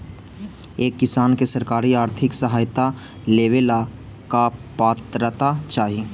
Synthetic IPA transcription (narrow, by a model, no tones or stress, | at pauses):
eːkːɪsaːnkesɐɾkaːɾiaːɾt̪ʰɪksəɦaːjt̪a | leːʋeːla | kapaːt̪ɾət̪at͡ʃaːɦie